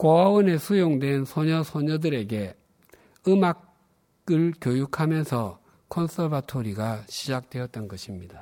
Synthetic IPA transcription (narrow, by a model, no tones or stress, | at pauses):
koawʌne̞sʰujoŋdwe̞nsʰoɲʌsʰoɲʌdɯɾe̞ɡe̞ | ɯmak | ɯɭkjojukʰamjʌnsʰʌ | kʰʌns͈ʰʌbatʰoɾiɡaɕʰid͡ʑak̚t͈we̞jʌt̚t͈ʌnɡʌɕʰimɲid̥a